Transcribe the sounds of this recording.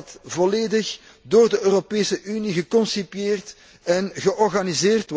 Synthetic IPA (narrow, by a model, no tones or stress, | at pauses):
tvɔleːdəx | doːrdəøːropeːsəʔyniɣəkɔnsipjeːrt | ɛnɣəʔɔrɣanizeːrt